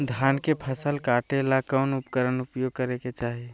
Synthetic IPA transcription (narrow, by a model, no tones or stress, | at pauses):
d̪ʱjaːnkepʰəsəlkaːʈelakənʊpkəɾənʊpjoːɡ̚kəɾeket͡ʃaːɦie